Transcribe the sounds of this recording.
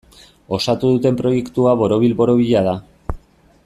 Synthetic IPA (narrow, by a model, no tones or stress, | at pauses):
o̞sat̪uðut̪e̞mpɾo̞je̞kt̪uaβo̞ɾo̞βilbo̞ɾo̞β̞iʎaða